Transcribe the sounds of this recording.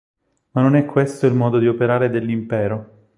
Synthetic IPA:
manːonɛkːwest̪oilmɔːd̪od̪iopeɾaːɾed̪elːimpɛːɾo

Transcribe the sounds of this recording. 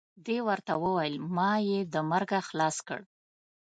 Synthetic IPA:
d̪ewəɾt̪awəwajəlmɑjed̪əmaɾɡaxlɑskə̰ɽ

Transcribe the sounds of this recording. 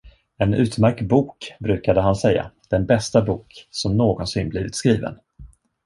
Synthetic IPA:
ɛnʉ̟ːt̪mæɾk̚t̪buːkbɾʉ̟ːkad̪əɦansɛjːa̰d̪̥ɛnbɛst̪abuːksɔmnoːɡɔnsɪnbliːvɪt̪skɾiːvə̰n

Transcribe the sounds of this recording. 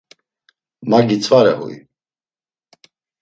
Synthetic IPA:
maɡit͡sʰʼvaɾɛɦṵj

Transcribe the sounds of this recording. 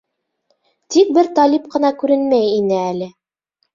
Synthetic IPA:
t̪ik̚bɘɾt̪ɑlʲip̚qɤ̆nɑkʉɾɘnmæjinɘælɘ

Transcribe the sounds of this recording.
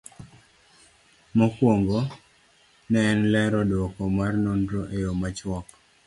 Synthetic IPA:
mɔkwoŋɡo | nɛnlɛɾɔdokɔmarnondɾoʔejomat͡ʃwɔk

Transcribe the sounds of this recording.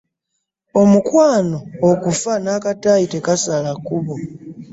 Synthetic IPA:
omukwaːno̞ːkufanaːkataite̞kasalakuβo

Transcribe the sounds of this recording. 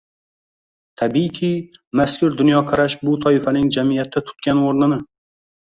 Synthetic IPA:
t̪ʰabikʲʰimaskʲʊɾd̪ʊnjɒqʰɑɾaʃbʊt̪ʰɒɪfanɪŋd͡ʒamijat̪ʰːat̪ʰʊ̥t̪̚kʲanoɾnɪnɪ

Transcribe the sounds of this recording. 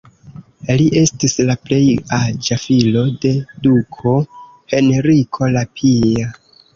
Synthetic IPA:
liʔe̞stislaple̞jad͡ʒafilo̞de̞dukʰo̞ | he̞neɾikʰo̞lapʰia

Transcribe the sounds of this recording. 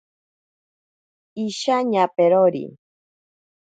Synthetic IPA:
iʃaɲapeɾoɾḭ

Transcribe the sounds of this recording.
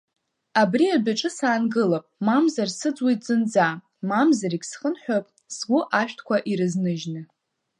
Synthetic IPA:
abriabaʈ͡ʂʼɨsaːnɡɨlapʼmamzarsɨd͡zwijtʼzɨnd͡za | mamzaɾikʲsχənħʷᶣopʼ | sɡʷʊʔaʃᶣtʰkʷʰaʔiɾɨznɨʒnɨ

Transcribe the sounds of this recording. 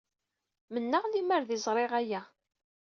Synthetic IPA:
mənːəʁliməɾðizˤɾˤeʁæjæ

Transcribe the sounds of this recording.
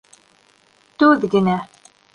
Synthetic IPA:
t̪uðɡɘ̆næ

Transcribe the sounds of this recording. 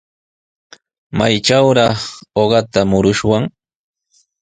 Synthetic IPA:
majʈ͡ʂawɾɑχoɢɑt̪amʊɾʊʃwaŋ

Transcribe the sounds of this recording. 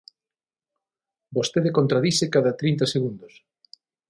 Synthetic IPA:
bost̪eðekont̪ɾaðisekaðat̪ɾint̪aseɣund̪os

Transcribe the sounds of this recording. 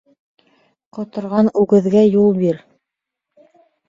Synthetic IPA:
qŏt̪ŏɾʁɑnʉɡɘ̆ðɡæjulˠbiɾ

